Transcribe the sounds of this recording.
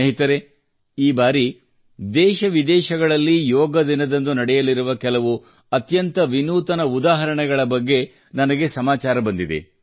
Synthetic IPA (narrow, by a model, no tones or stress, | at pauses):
ɦit̪ɐɾe | iːbaːɾi | d̪ɛːʃɐʋid̪ɛːʃɐɡɐɭɐlːijɔːɡɐd̪inɐd̪ɐnd̪unɐɽɛjɐliɾuʋɐkɛlɐʋu | ɐt̪jɐnt̪ɐʋinuːt̪ɐnɐud̪aːɦɐɾɐɳɛɡɐɭɐbɐɡːe̞ | nɐnɐɡe̞sɐmaːt͡ʃaːɾɐbɐnd̪id̪ḛ